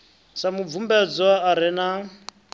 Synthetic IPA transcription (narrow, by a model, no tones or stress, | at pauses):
samub̪vumbɛd͡zɔaːɾɛna